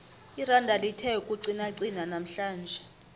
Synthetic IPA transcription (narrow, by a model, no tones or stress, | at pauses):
irandʱalitʰɛkʼuǀinaǀinanam̩ɬaːnd͡ʒʱɛ